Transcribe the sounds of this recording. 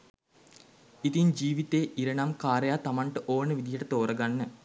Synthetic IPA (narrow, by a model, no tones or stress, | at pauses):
it̪iɲd͡ʒiːʋit̪eːʔiɾəɳamkaːɾəjaːt̪amaɳʈəʔoːnəʋid̪ijəʈət̪oːɾəɡanːə